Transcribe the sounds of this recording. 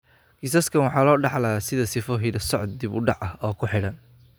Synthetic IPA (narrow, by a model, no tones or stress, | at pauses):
ɡɪsɐskʰɐnwɑħɑːlɔːɖɑħlɐsɪðɐsɪfɔɦɪdɐsɔʕɔd̪̚d̪ibʊɖɑʕʔɐhɔːkʰʊħɪɽɐn